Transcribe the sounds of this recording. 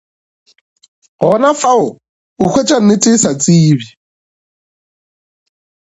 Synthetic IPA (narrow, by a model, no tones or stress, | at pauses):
ɣɔnafaʊ | ʊkʰwet͡ʃʼan̩nɪtʼɪsat͡sʼiːβi